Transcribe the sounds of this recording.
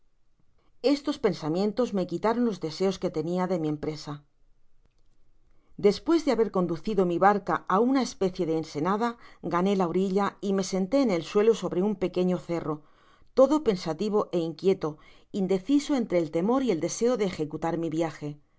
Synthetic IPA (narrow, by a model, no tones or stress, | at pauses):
e̞st̪o̞spe̞nsamje̞nt̪o̞zme̞kit̪aɾo̞nlo̞zðe̞se̞o̞ske̞t̪e̞niaðe̞miẽ̞mpɾe̞sa | d̪e̞spwe̞zðeaβe̞ɾko̞nd̪uθiðo̞miβaɾkaaunae̞spe̞θje̞ðeːnse̞nað̞aɡane̞laoɾiʎaime̞se̞nt̪e̞ːne̞lswe̞lo̞so̞βɾe̞umpe̞ke̞ɲo̞θe̞ro̞ | t̪o̞ðo̞pe̞nsat̪iβ̞o̞ʔe̞iŋkje̞t̪o̞ | ind̪e̞θiso̞e̞nt̪ɾe̞ːlt̪e̞mo̞ɾie̞ld̪e̞se̞oðe̞ːxe̞kut̪aɾmiβjaxe̞